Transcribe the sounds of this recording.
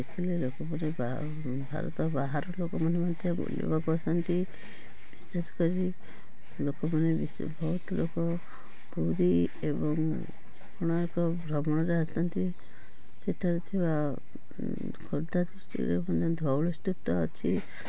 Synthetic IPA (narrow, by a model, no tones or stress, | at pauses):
ekʰilelokɔmaneb̰ | bʱa̰ɾɔ̰t̪ɔbaɦaɾɔlokɔmanemant̪ʰjɔbṵljɔ̰bakusant̪i | bisesɔ̥kɔɾi | lokɔmanebisbʱɔut̪ɔlokɔ | buɾi | ebɔŋ | pɔɽ̃ɔekɔbʱɾɔmɔɽ̃ɔɾeast̪ant̪i | seʈʰaɾet̪ʰiba | kʰoɾd̪ad̪isʈ̪ḭɾḛmand̪ɔd̪ʱɔwɭɔst̪up̚t̪ɔːt͡ʃʰi